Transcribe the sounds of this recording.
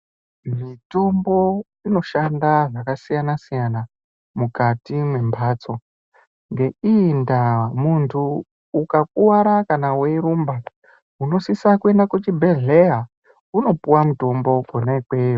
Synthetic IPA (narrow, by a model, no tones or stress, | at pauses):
mito̞mbo̞ | ino̞ʃandaʐakasijanasijana | mukatimwe̞mbʱat͡so̞ | ŋɡe̞indamuntʰuː | kak̚uwaɾakanawe̞ɾumba | uno̞sisakue̞ndakut͡ʃibʱe̞ɮeɦa | uno̞puwamuto̞mbo̞konaikwejo